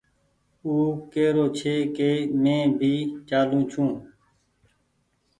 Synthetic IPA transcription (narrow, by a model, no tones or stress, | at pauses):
uːkeːɾoːt͡ʃʰeːkeːmẽːbʱiːt͡ʃaːlũːt͡ʃʰũː